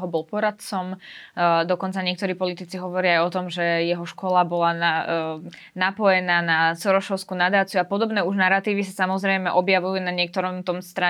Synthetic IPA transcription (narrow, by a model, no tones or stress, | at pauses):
ɦɔbɔlpɔɾat̪t͡sɔm | d̪ɔkɔnt͡saɲɪɛk̚t̪ɔɾiːpɔlit̪it͡siɦɔʋɔɾɪaːjɔt̪ɔmʒɛjɛɦɔʃkɔlabɔlana | napɔjɛnaːnasɔɾɔʃɔʊskuːnad̪aːt͡siuapɔd̪ɔbnɛːuʒnaɾat̪iːʋisasamɔzɾɛjmɛʔɔbjaʋujunaɲɪɛk̚t̪ɔɾɔmt̪ɔmst̪ɾa